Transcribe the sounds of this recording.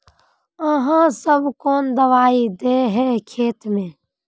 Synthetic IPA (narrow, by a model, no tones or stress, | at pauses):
əɦãsəbʱkoːnd̪əʋaːid̪eɦɛkʰeːt̪mẽː